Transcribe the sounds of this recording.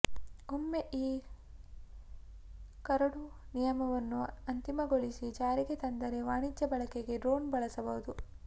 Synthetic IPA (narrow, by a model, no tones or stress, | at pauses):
omːe̞ʔiː | kɐɾɐɽunijɐmɐʋɐnːuɐnt̪imɐɡoɭisid͡ʒaːɾiɡe̞t̪ɐnd̪ɐɾe̞ʋaːɳid͡ʒɐbɐɭɐkeɡe̞ɖɾo̞ːnbɐɭɐsɐbɐɦud̪u